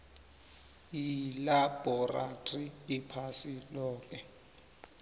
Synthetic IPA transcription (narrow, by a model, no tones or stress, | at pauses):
ilab̥ʱɔratʼriːpʰasilɔːkʼɛ